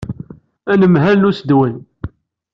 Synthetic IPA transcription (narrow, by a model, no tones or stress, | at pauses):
ænəmɦælnusəd̪wən